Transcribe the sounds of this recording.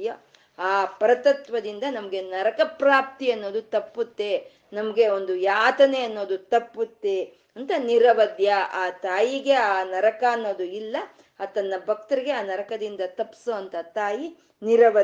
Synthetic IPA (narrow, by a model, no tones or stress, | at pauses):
jɐ | aːpɐɾɐt̪ɐt̪ʋɐd̪ind̪ɐnɐmɐɡe̞nɐɾɐkɐpɾaːp̚t̪iɐnːo̞ːd̪ut̪ɐpːut̪ːe̞ | nɐmɐɡe̞o̞nd̪ujaːt̪ɐneɐnːo̞ːd̪ut̪ɐpːut̪ːe | ɐnt̪ɐniɾɐʋɐd̪jɐaːt̪aːjiɡe̞aːnɐɾɐkaɐnːo̞ːd̪uilːɐ | aːt̪ɐnːɐbʱɐk̚t̪ɐɾiɡe̞aːnɐɾɐkɐd̪ind̪ɐt̪ɐpːsuɐnt̪ɐt̪aːji | niɾɐʋɐ